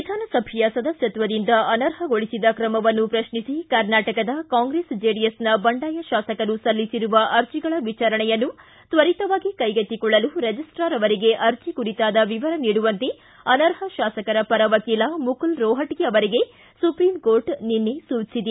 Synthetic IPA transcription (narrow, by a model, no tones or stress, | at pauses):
id̪ʱaːnɐsɐbʱijaːsɐd̪ɐsjɐt̪ʋɐd̪ind̪ɐʔɐnɐɾɦɐɡoɭisid̪ɐkɾɐmɐʋɐnːupɾɐʃɳisikɐɾnaːʈɐkɐd̪ɐkaːŋɡɾeːsd͡ʒeːɖiesnɐbɐɳɖaːjɐʃaːsɐkɐnusɐlːisiɾuʋɐʔɐɾt͡ʃiɡɐɭɐʋit͡ʃaːɾɐɳɛjɐnːu | t̪ʋɐɾit̪ɐʋaːɡikɐjɡɐt̪ːikɔɭːɐluɾed͡ʒisʈɾaːɾɐʋɐɾiɡe̞ʔɐɾt͡ʃikuɾit̪aːd̪ɐʋiʋɐɾɐniːɽuʋɐnt̪e | ɐnɐɾɦɐʃaːsɐkɐɾɐpɐɾɐʋɐkiːlɐmukulɾɔːɦɐʈiɡjɐʋɐɾiɡe̞ | supɾimkoːɾʈninːesuːt͡ʃsid̪e